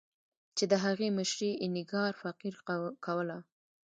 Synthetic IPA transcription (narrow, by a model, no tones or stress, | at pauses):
t͡ʃed̪əɦaɣeməʃɾeːnɪɡɑɾfaqiɾkʰawəla